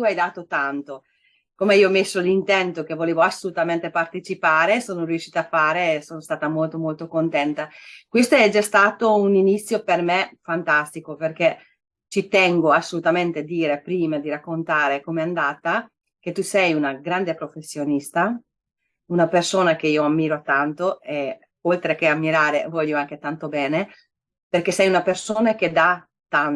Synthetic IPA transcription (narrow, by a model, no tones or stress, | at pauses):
t̪uajd̪aːt̪ot̪ant̪o | komeioamesːolint̪ɛnt̪ok̟evoleːvoasːolut̪ament̪epart̪et͡ʃipaːɾesoːnoɾjuʃiːt̪aːfaːɾesoːnost̪aːt̪amolt̪omolt̪okont̪ɛnt̪akwest̪oɛd͡ʒːast̪aːt̪ouninit̪sːjopermefant̪ast̪ikoperke | t͡ʃit̪ɛŋɡoasːolut̪ament̪ead̪iːɾepɾiːmad̪iɾakːont̪aːɾekomeand̪aːt̪a | ket̪ːusɛjunaɡɾand̪epɾofesːjonist̪a | unapersoːnak̟eiːoamːiːɾot̪ant̪oe | olt̪ɾekeamːiɾaːɾevɔʎːoaŋk̟et̪ant̪obɛːne | perkesɛjunapersoːnak̟ed̪a | t̪ːan